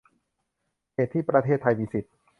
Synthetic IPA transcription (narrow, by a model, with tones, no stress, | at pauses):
heː˨˩t̪ʰːiː˥˩pɾa˧t̪ʰeː˥˩t̪ʰːa˧jmiː˧si˨˩t̪̚